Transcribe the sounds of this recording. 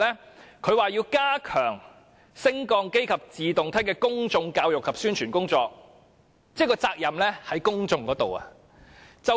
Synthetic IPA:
lɛː˥kʰɵ˨˧ɥwaː˨jiː˧wkaː˥kʰœ̰ː˨˩ŋ | sɪ˥ŋkɔː˧ŋke˥jkʰɐ˨p̚t͡siː˨t̪ʊ˨ŋt̪ʰɐ˥jkɛː˧kʊ˥ŋt͡sʊ˧ŋkaː˧wjʊ˨kʰːɐ˨p̚syː˥nt͡ʃʰyː˨˩nkʊ˥ŋt͡sɔː˧k̚ | t͡sɛː˥kɔː˧t͡saː˧k̚jɐ˨mlɛː˥hɐ˨˥jkʊ˥ŋt͡sʊ˧ŋkɔː˨˥t̪o̰˨wɐ̰˧ | t͡sɐ˨

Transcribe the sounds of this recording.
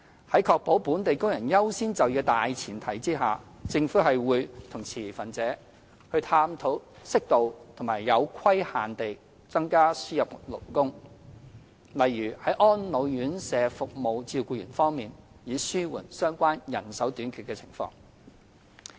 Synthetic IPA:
hɐ˨˥jkʰɔː˧k̚po˨˥wpuː˨˥nt̪e˨jkʊ˥ŋjɐ˨˩njɐ˥wsiː˥nt͡sɐ˨wjiː˧t̪aː˨jt͡sʰiː˨˩nt̪ʰɐ˨˩jt͡siː˥ɦaː˨ | t͡sɪ˧ŋfuː˨˥ɦɐ˨jwuː˨˧jt̪ʰʊ˨˩ŋt͡sʰiː˨˩fɐ˨nt͡sɛː˨˥ | hɵ˧ɥt̪ʰaː˥mt̪ʰo˨˥wsɪ˥k̚t̪o˨wt̪ʰʊ˨˩maː˨˩jjɐ˨˧wkʰɐ˥jhaː˨nt̪e˨j | t͡sɐ˥ŋkaː˥syː˥jɐ˨p̚lo̰˨˩wkʊ˥ŋ | lɐ˨jɥyː˨˩hɐ˨˥jʔɔː˥nlo˨˧wjyː˨˥nsɛː˨˧fʊ˨k̚mo˨˧wt͡siː˧wkuː˧jyː˨˩nfɔː˥ŋmiː˨n | jiː˨˧syː˥wṵː˨˩nsœː˥ŋkʷaː˥njɐ˨˩nsɐ˨˥wt̪yː˨˥nkʰy˨tkɛː˧t͡sʰɪ̥̰˨˩ŋfɔ̰ː˧˥ŋ

